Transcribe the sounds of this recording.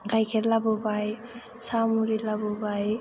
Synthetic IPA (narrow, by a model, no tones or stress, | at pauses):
kajkʰelabɔbaj | samuɾilabɔbaj